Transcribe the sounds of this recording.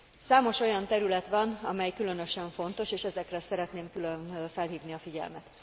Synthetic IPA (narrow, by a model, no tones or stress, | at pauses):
saːmo̞ʃo̞jɒnt̪ɛɾylɛt̪ʋɒnɒmɛjkylø̞nø̞ʃɛɱfo̞n̪t̪o̞ʃeːʃɛzɛkrɛsɛɾɛt̪neːmkylønfɛlɦiːvniɒfiɟɛ̰lmɛt̪